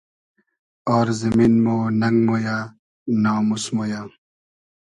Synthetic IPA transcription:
ɔːɾzɐmiːnmoːnɐŋɡmoːjaː | nãːmusmoːjaː

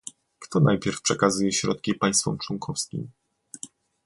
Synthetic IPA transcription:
kt̪ɔnajpʲjɛɾfpʂɛkazujɛɕɾɔ̰t̪̚kʲipaj̃st̪fɔ̰mt͡ʂwɔŋkʰɔfskʲḭm

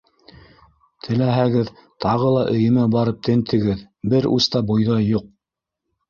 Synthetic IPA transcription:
t̪ʰɘ̆læɦæɡɘðt̪ɑʁɤlˠɑʔɵ̆jɘ̆mæbɑɾɤp̚t̪ɘ̆nt̪ʰɘ̆ɡɘð | bɘɾṵst̪ɑbujðɑjuq̚

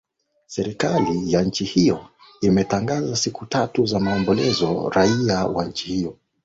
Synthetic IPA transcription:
sɛɾikalijaɲ̩t͡ʃihijɔ | imɛtaŋɡazasikutatuzamaːmbɔlɛzɔ̰ɾaiawaɲ̩t͡ʃihijɔ

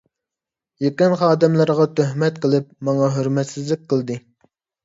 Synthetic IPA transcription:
jekʲɪnχɑːd̪ɛmləɾʁɑt̪ʰøhmɛt̪qəlˠɪp̚mɑŋɑɦøɾmɛt̪sɪzlɪk̚ʲqʰəlˠd̪ɨ

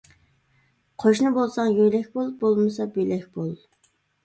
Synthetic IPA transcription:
qʰoʃnɨbolˠsɑŋjøjlɛkʲbolˠbolˠmɨsɑbelɛkʲbolˠ

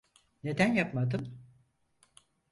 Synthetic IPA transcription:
ne̞d̪ænjapmad̪ɯn

